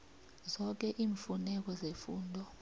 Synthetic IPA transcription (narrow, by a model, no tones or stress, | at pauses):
zɔk̬ɛʔiːɱfunɛk̬ɔzefuːndʱɔ